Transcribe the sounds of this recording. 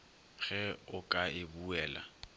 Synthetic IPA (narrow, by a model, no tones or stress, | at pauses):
ɣɛʊkʼaɪbuɛːla̰